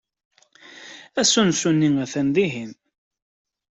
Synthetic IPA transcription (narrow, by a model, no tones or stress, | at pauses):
æsunsunːiŋæθænðiɦin